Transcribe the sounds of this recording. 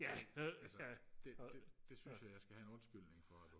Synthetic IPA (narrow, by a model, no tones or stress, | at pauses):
jææsəæd̥ed̥e̝synsjɑ̈ɪjɑ̈ɪsɡ̥æhæe̝nɔ̽nsɡ̥yl̰ne̝ŋfɒæ